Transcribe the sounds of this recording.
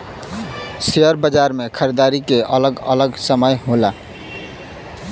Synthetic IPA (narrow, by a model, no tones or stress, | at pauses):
seəɾbəd͡ʒaɾmekʰəɾid̪aɾikeʔələɡələɡsəməjɦola